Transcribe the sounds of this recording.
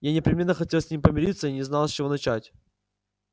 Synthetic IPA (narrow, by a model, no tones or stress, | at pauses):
janʲɪpɾʲɪmʲe̞nːəxɐtʲelˠsʲnʲimʲpəmʲɪɾʲit̪səinʲɪznalˠsʲt͡ɕɪvo̞nɐt͡ɕætʲ